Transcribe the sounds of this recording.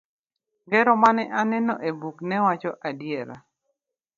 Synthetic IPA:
ɡɛɾɔmanɛʔanɛnɔ̰ʔebuknɛwat͡ʃɔʔadjɛɾa̰

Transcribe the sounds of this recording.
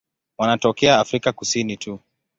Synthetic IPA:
wanatɔkɛaːfɾikakusinitʰu

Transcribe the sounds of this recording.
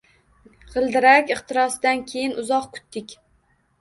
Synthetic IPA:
ʁɨlˠd̪ɪɾakʲɨχt̪ɪɾɒsd̪ankʲʰejɪnʊzɒqkʰʊ̥t̪ːɪkʲ

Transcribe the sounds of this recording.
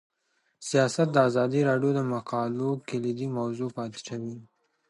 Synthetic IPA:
sijɑsat̪̚d̪əazɑd̪iɾɑɖjod̪əmaqɑlokɪlid̪imawzupɑt̪ɪ̥ʃawi

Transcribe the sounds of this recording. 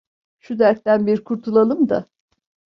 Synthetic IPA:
ʃud̪æɾt̪ːænbiɾkʰuɾt̪ʰulˠalˠɯmd̪a̰

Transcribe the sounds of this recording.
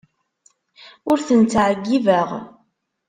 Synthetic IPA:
ʊɾθənt͡sːʕəɡːivəʁ

